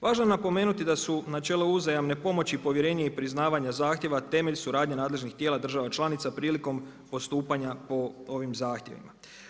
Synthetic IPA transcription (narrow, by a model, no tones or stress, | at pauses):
ʋaːʒnoenapo̞me̞ːnut̪id̪asunat͡ʃe̞lo̞uzajamne̞po̞mo̞t͡ɕipo̞ʋje̞ɾe̞ːɲeipɾiznaːʋaɲazaːxt̪je̞ʋat̪e̞me̞ʎsuɾaːd̪ɲenaːd̪leʒnixt̪je̞ːlˠad̪r̩ʒaʋat͡ʃlˠaːnit̪sapɾiːliko̞m | po̞st̪uːpaɲapo̞o̞ʋimzaːxt̪je̞̰ʋḭma